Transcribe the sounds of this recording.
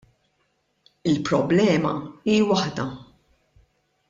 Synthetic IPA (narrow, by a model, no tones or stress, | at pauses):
ɪlpɾɔblɛːmɐ̰iːwɐħd̪ɐ